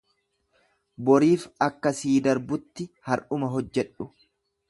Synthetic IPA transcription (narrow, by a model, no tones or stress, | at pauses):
bɔɾiːfɐkːɐsiːd̪ɐɾbʊt̪ːɪhɐɾʔʊmɐɦɔd͡ʒːɛᶑʊ